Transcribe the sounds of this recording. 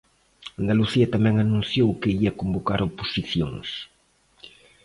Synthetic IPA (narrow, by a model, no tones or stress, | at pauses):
and̪aluθiɐt̪amɛ̃ŋanũn̟θjowkeiɐkombokaɾopo̥siθjo̰ŋs